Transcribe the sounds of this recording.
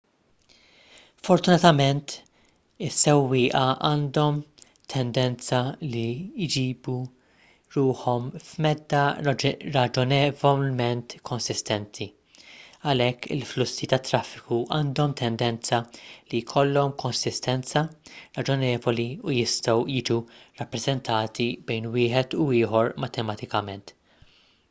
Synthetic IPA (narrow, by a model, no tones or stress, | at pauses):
fɔɾt̪ʊnɐt̪ɐmɛnt̪ | ɪsːɛwːɪːʔɐʔɐːnd̪ɔm | t̪ʰɛnd̪ɛnt͡sɐlid͡ʒiːbu | ɾuːħɔmfmɛd̪ːɐɾɐd͡ʒɔnɛvɔlmɛnt̪kʰɔnsɪst̪ɛnt̪ʰi | ɐlɛkːɪ̰lflʊsːit̪ɐt̪ːɾɐfːɪkuʔɐːnd̪ɔmt̪ʰɛnd̪ɛnt͡sɐlijkʰɔlːɔmkʰɔnsɪst̪ɛnt͡sɐɾɐd͡ʒɔnɛːvɔliujɪst̪ɔwjɪːd͡ʒurɐpːɾɛzɛnt̪ʰɐːt̪ibɛjnwɪːħɛt̪uɪːħɔɾmɐt̪ɛmɐt̪ɪkɐmɛnt̪